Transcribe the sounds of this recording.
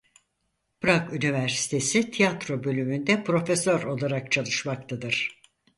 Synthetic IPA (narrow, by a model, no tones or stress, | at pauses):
b̥ɾakynivæɾsi̥t̪ʰe̞sit̪ʰijat̪ɾo̞bø̞lʲymynd̪ɛpɾo̞fesøɾo̞lˠaɾak̚t͡ʃʰalˠɯʃmak̚t̪ʰad̪ɯɾ̥